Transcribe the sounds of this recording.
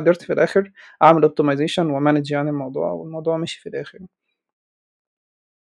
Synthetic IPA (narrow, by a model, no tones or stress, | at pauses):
d̪ːeɾt̪filʔæːxeɾʔaʕmælʔob̚t̪imɑjzeːʃænwemæned͡ʒʕanelmɑwd̪ˤṵːʕwḛlmɑwd̪ˤuːʕmæːʃi̥filʔæːxeɾ